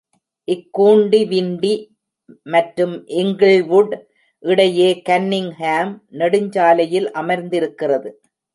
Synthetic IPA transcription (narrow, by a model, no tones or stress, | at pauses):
ʔɪkːuːɳɖiʋɪɳɖi | mɐʈɾɯmʔɪŋɡɪɭʋuɽ | ʔɪɽɐjeːkɐnːɪŋhaːmnɛɽɯɲd͡ʒaːlɐjɪlʔɐmɐɾnd̪ɪɾɯkːɪrɐðɯ